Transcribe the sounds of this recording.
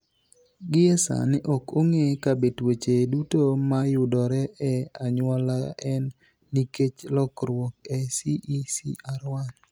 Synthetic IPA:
ɡɪɛsa̰nɪʔɔkoŋekabetwet͡ʃedutomajʊdɔɾɛɛaɲwɔlaʔɛnː | iket͡ʃlɔkɾwɔk̚ɛsiʔisḭaɾwan

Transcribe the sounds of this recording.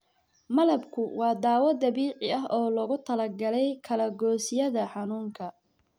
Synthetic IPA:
mɐlɐbkʰʊwɑːd̪ɑːwɐd̪ɐβiːʕɪɐɦɔːlɔɣʊt̪ʰɐlɐrɡɐlɛjkʰɐlɐɡɔːsɪjɐðɐħɑnuːŋkʰɐ

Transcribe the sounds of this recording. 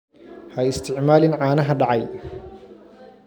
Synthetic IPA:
hɐɪst̪ʰɪʕmaːlɪnʕɑːnɐɦɐɖɑʕɑj

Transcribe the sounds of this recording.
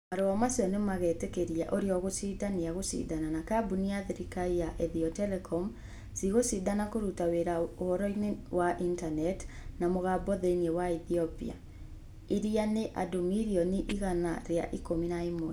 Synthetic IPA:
maɾoɔmasiɔnemaɣɛtekeɾiaʔoɾeɔɣosiðaniaɣosḭːðananakabuniaðeɾikaijaʔɛðiɔtɛlɛkʰɔm | siɣosiðanakoɾutaweɾaohɔɾɔinewaʔintanɛtnamoɣabɔðeinewaiθiɔpḭa̰ | iɾianeʔa̰domiɾiɔniʔiɣanaɾea̰ʔikominaimo

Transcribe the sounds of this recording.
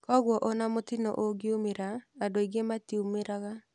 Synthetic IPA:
kɔɣwɔʔɔnamotinɔ̰ʔoɡeumeɾaːdoiɣematiumeɾaɣa

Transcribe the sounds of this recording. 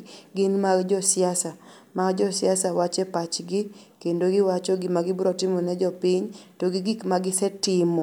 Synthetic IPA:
ɡɪnmaɡd͡ʒɔsɪasa | maɡd͡ʒɔsɪasawat͡ʃɛpat͡ʃɡɪ | kendoɡɪwat͡ʃɔɡɪmaɡɪbuɾɔtɪmɔnɛd͡ʒɔpɪɲtoɡɪɡikmaɡɪsɛtɪmɔ

